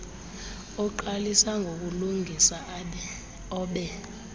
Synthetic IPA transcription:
ɔǃalisaŋɡʱok̬uluŋɡʱisa | ɔːɓɛ

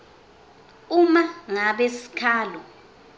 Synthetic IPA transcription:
umaŋaɓesi̥kʰaːlɔ

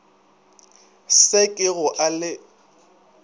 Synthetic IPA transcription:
sekʼɪɣʊʔalɪ

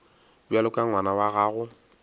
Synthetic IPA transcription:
dualʊkʼaŋwanawaɣaːɣʊ

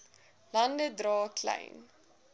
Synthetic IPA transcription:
lɐndədrɑːkʰlɛ̰jn

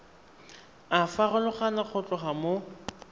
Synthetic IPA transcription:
afarʊlʊχanaχʰʊt͡ɬʼʊχamo

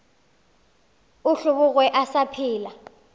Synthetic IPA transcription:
uɬuɓʊk̬ʼwɛʔasapʰiːla

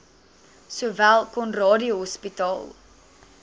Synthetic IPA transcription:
suəvælˠkɔnrɑːdioɦɔspitɑ̰ːlˠ

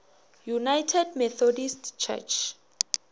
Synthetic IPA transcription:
junajtʰɛdmɛθɔdistt͡ʃʰɛ̰t͡ʃʰ

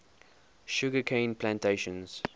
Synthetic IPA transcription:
ʃʊɡəkʰẽɪ̃npʰlãntʰeɪʃə̃nz̥

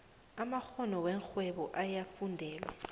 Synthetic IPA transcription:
amak͡xɔnɔwɛŋk͡xʰwɛɓɔʔajafundʱɛːlɛ̰

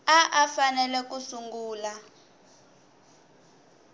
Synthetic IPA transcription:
aʔafanɛlɛkusuŋɡuːla

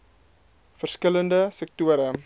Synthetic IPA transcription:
fərskələndəsɛk̚tuəɾə

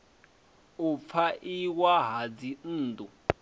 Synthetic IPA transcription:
up̪fʰaʔiwaɦad͡zin̩ːd̪ʼu

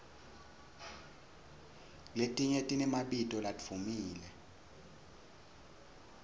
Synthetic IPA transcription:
letʼiɲetʼinɛmaɓitʼɔlatfʰumiːlɛ

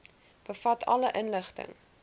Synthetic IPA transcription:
b̥əfɐtʰɐ̰ləʔənləχtə̰ŋ

